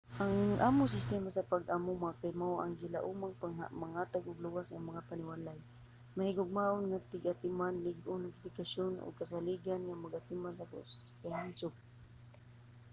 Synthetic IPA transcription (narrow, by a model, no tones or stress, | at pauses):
ʔaŋŋʔa̰ːmʊŋs̬ɪst̪ɛmasapaɡʔamumakaɪmawʔa̰ŋɡɪlaʔumaŋpaŋamaŋhaːt̪aɡʊɡluwasaŋmaŋapanɪwalaj | mahɪɡʊɡ̚maʔʊnŋat̪ɪɡat̪ɪmanlɪɡʊnaŋk̪ɪfɪkaʃonʔʊ̰ɡ̚kas̬aliɡanŋamaɡʔat̪ɪmansakʊ̰s | kaalsʊp̚